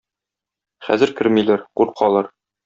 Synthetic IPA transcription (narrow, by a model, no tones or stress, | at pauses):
χæ̰zɘ̆ɾkɘ̆ɾmilæɾquɾqʰɑlˠɑɾ